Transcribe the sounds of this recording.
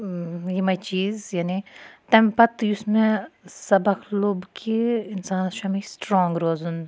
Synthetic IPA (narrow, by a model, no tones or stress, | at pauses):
jemɐt͡ʃiːzjaːnit̪ɐ̃mpɐt̪jʊsmẽsɐbɐkʰloːbkʰiɪnsaːnʃamĩsʈɾɔ̃ːŋɡɾoːzun